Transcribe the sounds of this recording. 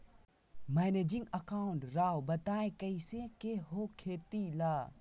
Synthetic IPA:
mɛneːd͡ʒɪ̃ŋɡəkaːʊ̃ɳʈɾaːwbɐt̪aːekəisẽkeɦokʰeːt̪ilaː

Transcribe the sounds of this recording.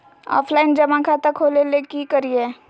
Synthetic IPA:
ɔ̰ːpʰlaːɪnd͡ʒɐmãkʰat̪akʰoːlelekikəɾie

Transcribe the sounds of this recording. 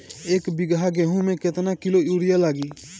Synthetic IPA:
eːkbɪɡaɡɛɦũmẽkɪt̪nakɪlouːɽɪjalaːɡiː

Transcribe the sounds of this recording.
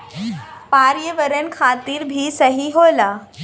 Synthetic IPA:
paɾjəʋəɾənkʰat̪iːɾbʱiːsəɦiɦola

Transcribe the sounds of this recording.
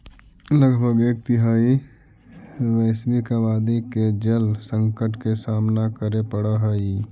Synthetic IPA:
ləɡbʱəɡeːk̚t̪ɪɦaːi | ʋɛɪsbikaʋaːd̪iked͡ʒəlsə̃ŋkəʈkesaːmnakəɾepəɽaɦaːi

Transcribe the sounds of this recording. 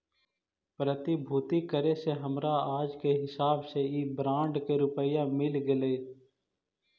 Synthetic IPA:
pɾət̪ɪbʱuːt̪ikəɾeseɦəmɾaaːd͡ʒkeɦɪsaːbseiːbɾãːɳɖkeɾʊpəjãmɪlɡɪleː

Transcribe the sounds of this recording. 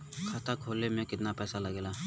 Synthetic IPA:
kʰat̪akʰoːlemẽkɪt̪napɛːsalɐɡeːla

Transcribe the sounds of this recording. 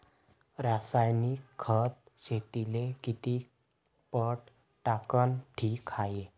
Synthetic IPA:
ɾasajnikkʰːət̪̚ɕet̪ilekit̪i | pəʈ | ʈakənʈʰiːkʰaje

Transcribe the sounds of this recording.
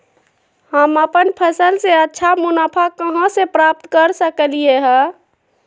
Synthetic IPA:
həməpənpʰəsəlseətːʃʰamunapʰakəɦə̃sepɾap̚t̪kəɾsəkəlijeɦɛ̃

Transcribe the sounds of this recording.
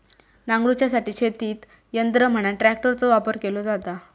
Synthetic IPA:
nãŋɡɾut͡ɕjasaʈiːɕʰet̪iːt̪ | jənd̪ɾəm̤əɽ̃aʈɾæk̚ʈəɾt͡sɔʋapəɾkelɔd͡zat̪a

